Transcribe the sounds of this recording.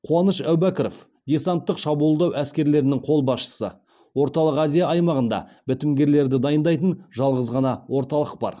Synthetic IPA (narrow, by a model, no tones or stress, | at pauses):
qʰuɑnəʃæwbækʲɾo̰f | d̪ʲe̞sant̪ːəqʃɑbulˠd̪ɑwʔæskʲe̞ɾle̞ɾɪnɪŋqʰo̞lˠbɑsʃə̥sə̰ | wo̞ɾt̪ɑlˠəqæzijɑɑjmɑʁənd̪ɑ̰bɪt̪ɪmɡʲe̞ɾle̞ɾd̪ɪd̪ɑjənd̪ɑjt̪ənʒɑlˠʁəzʁɑnɑwo̞ɾt̪ɑlˠəq̚bɑ̰ɾ